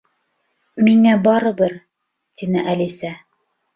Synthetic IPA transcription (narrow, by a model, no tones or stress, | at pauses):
miŋæbɑɾɤ̆bɤɾ | t̪inɘʔælisæ